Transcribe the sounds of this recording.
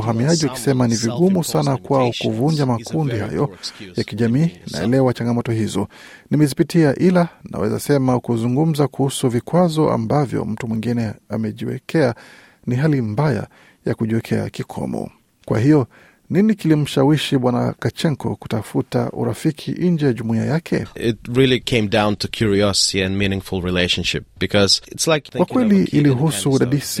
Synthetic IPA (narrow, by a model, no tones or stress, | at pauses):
ɦamiaʄiwaki̥sɛmaniviɠumusanakwaɔkuvuɲd͡ʒamakʰundiha̰jɔjakiʄamiːna̰ɛ̰lɛwat͡ʃaŋɡamɔtɔhizɔ | nimɛzipitiaʔilana̰wɛza̰sɛmaukuzuŋɡum̩zakuhusuvikwazɔʔa̰mbavjɔ̰m̩tumwiŋɡinɛamɛʄiwɛ̰kɛa | niɦalimbaja̰ | jakuʄiwɛkʰɛa̰kikʰɔ̰mɔ̰ | kwa̰hijɔ | ninikilim̩ʃawiʃiɓwana̰kat͡ʃɛŋkɔ̰ku̥tafuta̰ʔṵɾafikʰḭʔiɲd͡ʒɛjaʄumuia̰jakʰɛ̰ɪt̚ɹɪlˠikʰẽɪ̃mdãʊ̃ntʰɨkʰj̥uɹiɔsɪ̥tiɨ̃nmĩnɪ̃ŋfl̩ˠɹileɪʃnʃɪp̚b̥ɨkʰʌz̥ɪtslaɪkwakkwɛliʔiliɦusuɗaɗis